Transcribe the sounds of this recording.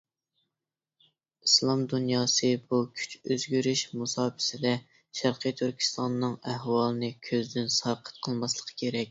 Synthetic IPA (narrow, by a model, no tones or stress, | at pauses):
islˠɑmd̪unjɑːsɨbukʲʰy̥t͡ʃøzɡʲyɾyʃmusɑːpʰɪ̥sɪd̪ɛ | ʃæɾqʰɨjt̪ʰyɾkʲʰi̥st̪ɑnːɨŋæɦwɑːlˠɨnɨkʲʰøzd̪ynsɑɾqʰə̥t̪̚qʰəlˠmɑslˠəqʰə̥kʲʰeɾɛk̚ʲ